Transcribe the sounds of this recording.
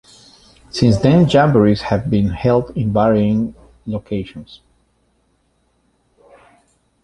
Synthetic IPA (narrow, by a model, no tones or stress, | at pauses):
sɪ̃nsd̪ɛ̃nd͡ʒæ̃mbəɹiz̥hɨvbĩnhɛlˠdɪ̃nvɛɹiɪ̃ŋ | lokʰeɪʃɔ̃ns